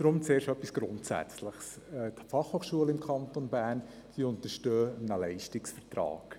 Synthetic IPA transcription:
d̥ɾʊmt͡seːɾʃœpisɡ̥ɾʊ̰ntsæ̰t͡sləχs | ɛt̪fɑχhoːχʃuəlɪmkʰɑnt̪onbæːrn | d̥iːʊnt̪əɾʃtøːnəlɛɪʃtɪksfəɾtrɑ̰ːɡ̥

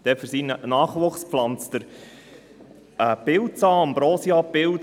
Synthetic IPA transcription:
d̥ɛfəɾsinənɑːχʋʊχsplɑnt͡st̪əɾ | ɛpɪltt͡sɑːmbɾɔːsjɑpɪl

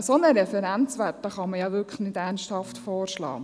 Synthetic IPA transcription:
sonəɾɛfɛɾænt͡sʋætːəχɑməjɑʋʏkʰəχnɪdæɾnsthɑftfɔːɾʃlɑ̰ː

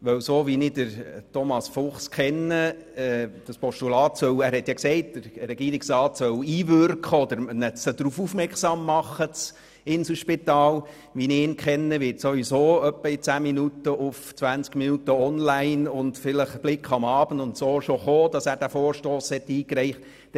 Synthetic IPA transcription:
ʋœwsoːʋinɪdəɾtɔmɑsfʊχskχɛnːəɛd̥ɑspɔʃtulɑːtsœwæːɾhɛt̪jɑksɛɪt̚d̥əɾɾɛɡiːɾɪksɾɑːtsœwiːvʏɾkχəɔd̪əɾnət͡səd̥̪ɾufufmɛɾksɑmːɑχːət͡s | ɪnsl̩ʃpit̪ɑːl | ʋiniɪnkχɛnːəʋɪtsoʋisoːœpːəit͡sæːminutːəʔʊft͡sʋænt͡skminutəɔnlæɪnʊndfɪləχb̥lɪkχɑmɑːbəndʊntsoːʃɔχoːd̥ɑsæːɾd̥æfoːɾʃtoːshɛt̪ːiːkɾɛɪχt

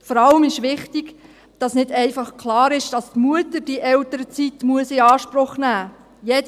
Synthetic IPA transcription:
fɔɾɑləmɪʃʋɪχtiɡ | d̥ɑsnɪdɛɪfɑχkʰlɑːɾɪʃd̥ɑstmuətəɾd̥iʔɛltəɾət͡sitmuəsɪɑːʃprʊχnæː | jed

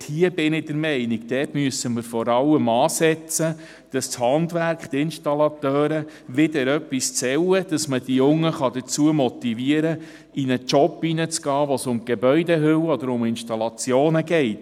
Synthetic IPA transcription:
hiːəb̥ɪnɪd̥əɾmɛɪniɡd̥̪ɛːtmyəsəməɾfɔɾɑlːəmɑːsɛt͡sə | d̥ɑsthɑndʋæɾkχt̪ɪnʃtɑlɑt̪œːɾə | ʋɪdəɾœpːist͡sɛwəd̥ɑsməd̥ijʊŋːəχɑd̥ət͡suəmɔtiviəɾə | inət͡ʃɔpːinət͡sɡ̥ɑːʋɔsʊmɡ̥ebœʏdɛɦʏwɔd̪əɾʊmɪnʃtɑlɑt͡sjoːnəɡɛɪt

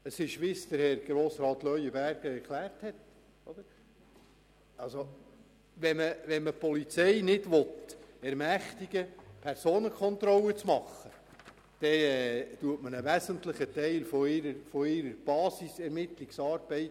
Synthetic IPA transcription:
əsɪʃʋɪsd̪̥əɾhɛɾɡ̥ɾoːsɾɑːt̪lœʏəbæɾɡ̥əɛɾkʰlæːrthɛt | ɔd̥̪əɾ | ʔɑlso | ʋɛməʋɛnməpɔlit͡sɛɪnɪdʋɔt̪ɛɾmæχt̪iɡəpʰɛɾsoːnəkʰχɔnt̪ɾɔlət͡smɑχːə | d̪̥ɛɛt̪uətmənəʋæsəntləχətɛɪlfɔɪɾəɾfɔɪɾəɾb̥ɑːsisɛɾmɪt̪liksɑːɾb̥ɛɪt

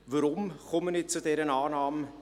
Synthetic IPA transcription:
vəɾʊmkɔmənɪt͡sudɛːɾənɑːnɑːm

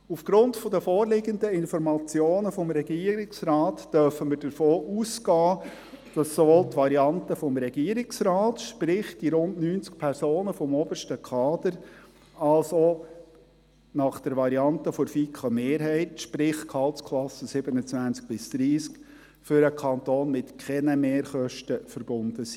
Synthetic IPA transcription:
ufɡ̥ɾʊntfɔd̪əfoːrlɪɡənd̪əɪnfɔɾmɑt͡sjoːnəfɔmɾɛɡiːəɾɪksrɑːtd̥œɾfəməɾd̥əɾfoːʔuːsɡɑː | d̥ɑsːɔʋoːlt̪ːʋɑɾiɑntəfɔmɾɛɡiːəɾɪksɾɑːtʃpɾɪχd̥iɾʊndnyːnt͡sk̚pʰɛɾsoːnəfɔmɔb̥əʃtəkʰɑːd̪əɾ | ɑlso | nɑχd̥ɛɾʋɑɾiɑntəfɔɾfikχəmeːɾɦɛɪtʃpɾɪχkʰɑlˠtskʰlɑsəsɪb̥ənət͡sʋænt͡sk̚b̥ɪsd̪̥ɾiːsk | fʏɾəkʰɑnt̪oːnmɪtkχɛnəmeːɾχœʃtəfəɾb̥ʊnd̥̪əsi̥

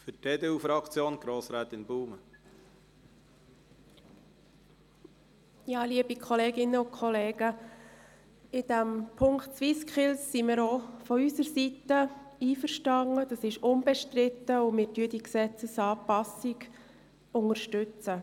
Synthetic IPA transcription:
fʏteːd̪eːufɾɑkt͡sjoːnɡ̥ɾoːsɾɛːt̪ɪnbuːmə | jɑːliəbikʰχɔleːɡɪnəʊkʰχɔleːɡə | ɪd̥æmpʰʊŋktsʋiskχɪlsːimɪɾofɔysəɾsitəiːfəɾʃtɑŋəd̥ɑsɪʃʊnbɛʃtɾɪt̪ːəʊmɪːɾtyədiksɛt͡səsɑːpɑsɪɡ | ʊŋəɾʃtʏt͡sə

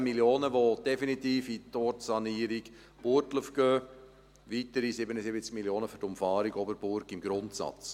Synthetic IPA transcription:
miljoːnəʋod̥ɛfinit̪iːfitɔɾtsɑniːəɾiɡ | b̥ʊɾtləfɡ̥øː | ʋitəɾisɪbənəsɪbət͡skmiljoːnəfyɾtʊmfɑːɾiɡɔbəɾb̥ʊɾkɪmɡ̥ɾʊntsɑ̰t͡s

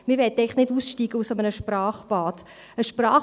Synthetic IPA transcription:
mɪʋɛtɛɪχnɪduːsʃtiːɡ̥əusamənəʃprɑːχb̥ɑːt | əʃprɑː

